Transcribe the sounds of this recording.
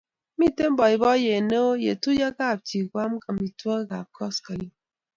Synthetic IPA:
mi˦te˦m̩˦bɔ˨i˨bɔ˦je˨ne˦o˦jḛ˨tu˦ja˦ka˦˨p̚ti˨kwa˦m̩˦kɨ˨mi˨twɔ˦ɣa˨p̚kʰɔ˦ska˨li˦

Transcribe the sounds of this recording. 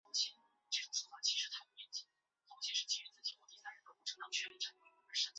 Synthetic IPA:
o˧˥ʊt͡ɕʰjɛ˥n | ʈ͡ʂɤ˥˩ʈ͡ʂʊ˨˩ŋswɔ˥fwa˥˩t͡ɕʰi˧˥ʂɻ̩˧˥t̪ʰa˥pu˧˥˩jɛ˧˥˩nt͡ɕi˧˩ | t̪o˧˥ʊt͡ɕʰjɛ˥nʂɻ̩˥˩t͡ɕi˧˥ɻ̩ɛ˧˥t͡sɹ̩˥˩t͡ɕi˨˩˥wɔ˧˥˩t̪i˥sa˥˩ɪɻə˧˥nkɤ˧˥pʈ͡ʂʰɤ˧˥t̪ɑ˧˩t͡ɕʰɥɛ˥i˧˩ʈ͡ʂʰa˧˥˩ə˧˥ʂə˥t͡ɕ

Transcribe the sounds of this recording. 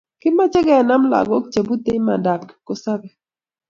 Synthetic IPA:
kɪ˦ma˦t͡ʃɛ˦ɡɛ˨na˦mla̰˨ɡɔ˦k̚t͡ʃe˨bu˦t̪e˦ma˨da˨kko˦sa˦bɛ˨

